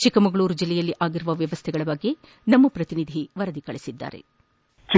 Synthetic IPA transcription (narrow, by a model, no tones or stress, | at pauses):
t͡ʃikɐmɐɡɐɭuːɾud͡ʒilːɛjɐlːiʔaːɡiɾuʋɐʋjɐʋɐst̪ʰɛɡɐɭɐbɐɡːe | nɐmːɐpɾɐt̪inid̪ʱiʋɐɾɐd̪ikɐɭesid̪ːa̰ːɾḛ | t͡ʃi